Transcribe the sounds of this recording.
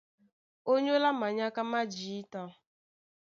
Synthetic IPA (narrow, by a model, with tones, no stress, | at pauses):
o˦ɲo˦la˦ma˨ɲa˦ka˦ma˦d͡ʒi˨i˦tɔ˦